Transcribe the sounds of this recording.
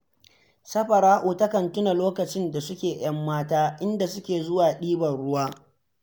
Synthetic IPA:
sɐ˦ɸɐ˨ɾaː˦ʔuː˨tɐ˦kɐ˨ntʊ˦na˨loː˦kɐ˨t͡ʃɪ˦nda˨sʊ˦kʲeː˨j̰ɐ˦mːaː˦taː˦ʔɪ˦nda˨sʊ˦kʲeː˨zʊ˦waː˨ɗiː˦bɐ˨rɽʊ˦waː˦

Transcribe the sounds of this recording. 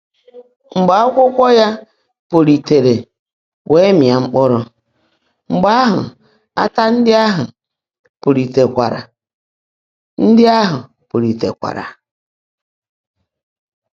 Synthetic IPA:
ŋ͡m̩˨ɡ͡ba˨˦ɔ˦kʷʊ˦kʷɔ˦ja˦ | po˨ɾi˨te˨ɾe˨ | wʔe˦mja˨ŋ͡m̩˦k͡pɔ˦ɾʊ˦ | ŋ͡m̩˨ɡ͡ba˦a˦ɦʊ̰˨ | a̰˦ta˦n̩˦dɪ˦a˦ɦʊ̰˨ | pʊ˨ɾi˨te˨kʷa̰˨ɾa̰˨ | n̩˦dɪ˦a˦ɦʊ˨ | po˨ɾi˨te˨kʷa̰˨ɾa̰˨

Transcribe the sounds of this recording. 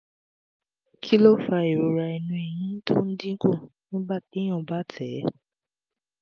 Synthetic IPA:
kʰi˦lɔ˦fa˧i˨ɾo˨ɾa˧i˨nũ˧e˨j̃ĩ˨˦tʰo˦n̩˦dĩ˦ku˦˨ | nĩ˨˦ba˦˨ti˨˦j̃ɔ̃˧˨ba˦˨tʰɛ˨˦

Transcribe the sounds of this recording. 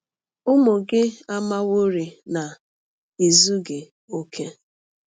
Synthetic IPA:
ʊ˦mo˨ɡɪ˦a˦ma˦wo˦ɾi˨na˨ | i˨zu˦ɡɪ˨ | o˦kʰe˦

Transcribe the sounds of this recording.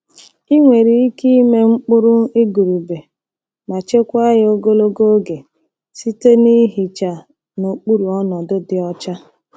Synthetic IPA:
i˦ŋʷe˨ɾi˨i˦ki˦i˦me˦ŋ͡m̩˦k͡pʊ˦ɾʊ˦i˦ɡu˨ɾu˨be˨ | ma˨t͡ʃe˦kʷa˦ɣo˦ɡo˦lo˦ɡo˦ɡe˨ | si˦te˦ni˦ɦi˨t͡ʃa˨ | no˨k͡pu˦ɾu˨ɔ˦nɔ˨dʊ˦dɪ˨ɔ˦t͡ʃa˦

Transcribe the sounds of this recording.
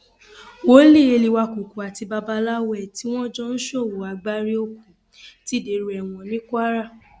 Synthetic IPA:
wo˦li˦˨e˧li˧wa˧ku˨ku˨a˨ti˧ba˧ba˧la˦wɛ˦˨ti˨˦w̃ɔ̃˦d͡ʒɔ̃˦n̩˦ʃo˦˨wo˨a˨ɡ͡ba˧˦ɾi˦o˧kũ˨ | ti˦de˨˦ɾu˨˦ɛ˨w̃ɔ̃˧nĩ˦kʷa˦ɾa˦˨

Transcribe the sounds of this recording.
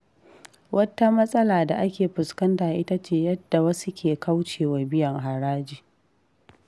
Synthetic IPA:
wʔɐ˦tːa˦mɐ˦sʼɐ˦laː˨da˨ʔa˦kʲeː˨ɸʊ˨skɐ˦ntaː˨ʔɪ˦ta˦t͡ʃeː˨jɐ˦d̥ːa˨wɐ˦su˦kʲʰeː˨ka˦wt͡ʃeː˨wa˨bɪ˦jɐ˨ŋɦa˨ɽaː˦d͡ʒiː˨

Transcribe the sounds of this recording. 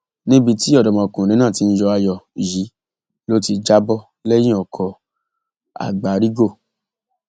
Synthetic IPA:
nĩ˦bi˧ti˦ɔ˦˨dɔ˨mɔ̃˧˨kũ˨ɾ̃ĩ˨˦nãː˦˨ti˨˧n̩˦d͡ʒɔ˧a˧jɔ˨ji˨˦ | lo˦ti˧d͡ʒa˦bɔ˦ | lɛ˦j̃ĩ˦ɔ˨kʰɔ˧ | a̰˨ɡ͡ba˨ɾi˦ɡo˦˨

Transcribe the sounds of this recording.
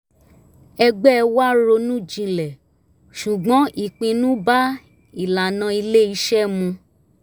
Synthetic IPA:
ɛ˧ɡ͡bɛ˦ɛ˧wa˦ɾo˧nũ˦˨d͡ʒĩ˧lɛ˨ | ʃu˨ɡ͡bɔ̃˨˦ʔi˦˨k͡pĩ˧nũ˦ba˦ | i˨la˨nã˧i˧le˦i˧˦ʃɛ˦mũ˧

